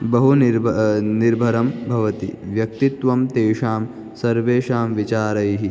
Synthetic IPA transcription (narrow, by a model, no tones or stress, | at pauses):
bɐɦunɾniɾbʱɐɾɐmbʱɐʋɐt̪ḭʋjɐk̚t̪it̪ʋɐmt̪eːʂaːm | sɐɾʋeːʃaːmʋit͡ʃaːɾɐjɦi